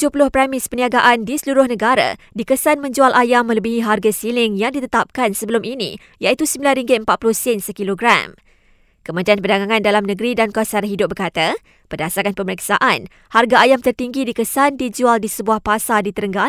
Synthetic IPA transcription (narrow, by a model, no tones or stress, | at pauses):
t̪ud͡ʒupulʊhpɾɛmɪspəniaɡaʔandisəluɾʊhnəɡaɾa̰ | dikəsanmə̃ɲd͡ʒualʔajamːə̃ləbiɦiɦarɡasilɪŋjaŋdit̪ət̪ap̚kansəbəlʊminḭ | jait̪usəmbilanriŋɡɪt̪̚əmpat̪̚pulʊhsɛnsəkiloɡɾa̰m | kəmə̃t̪ianpərdaɡaŋãndalamnəɡɾidankasaɾaɦidʊp̚bərkat̪a | pərdasaɾanpəməɾiksa̰ʔan | harɡaːjamt̪ərt̪iŋɡidikəsandid͡ʒualdisəbuahpasadit̪əɾəŋɡa